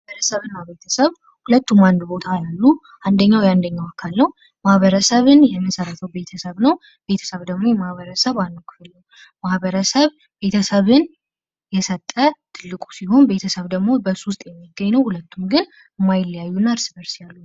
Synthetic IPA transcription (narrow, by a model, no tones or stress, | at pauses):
aβəɾəsəβɨnːabe̞t̪ʰəsəβ | hulət̪ːumand̪bo̞t̪ʰajalːu | ʔand̪əɲːawjand̪əɲːawakʰalnəw | mahβəɾəsəβɨnjɛmːəsəɾət̪ʰəwbe̞t̪ʰəsəβnəw | b̥e̞t̪ʰə̥səβd̪əɡmo̞jɛmahβəɾəsəβanːəwkʰɨfɨlːəw | mahβəɾəsəβ | be̞t̪ʰəsəβɨn | jɛsət̪ʼːət̪ʰɨlːɨkʼu̥siho̞nbe̞t̪ʰəsəβd̪əɡmo̞bəsust̪ʼjɛmːiɡəɲːnəwhulət̪ʰːumɡɨn | mːajɪlːəjajːunːaɾsɨbəɾsjalːu